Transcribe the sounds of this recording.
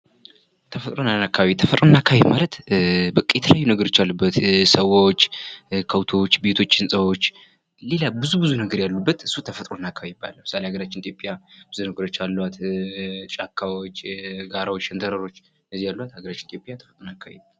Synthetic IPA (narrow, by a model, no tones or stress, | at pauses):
t̪ʰəfət̪ʼɾo̞nanakːaβaβit̪ʰəfət̪ʼɾo̞nakʰːaβimalət̪bɨkʼːjɛt̪ʰələjajːunəɡəɾo̞t͡ʃːalːubːət̪səwot͡ʃːkʰəwt̪ʰo̞t͡ʃːbe̞t̪ʰo̞t͡ʃːɪnsʼəwot͡ʃː | le̞labɨzubɨzunəɡəɾjalːubːət̪ɨsːut̪ʰəfət̪ʼɾo̞nakːaβaiiba̰lmɨsaleaɡəɾat͡ʃːɪnit̪ʰjo̞pʼjab̥ɨzunəɡəɾo̞t͡ʃːalːwat̪ | t͡ʃʼakʰːawot͡ʃːɡaɾawot͡ʃːənd̪ʰəɾəɾo̞t͡ʃː | ʔəzːihjalːuwat̪haɡəɾat͡ʃːɪnit̪ʰopʼjat̪ʰə̥fə̥t̪ʼɾonakʰːaβḭ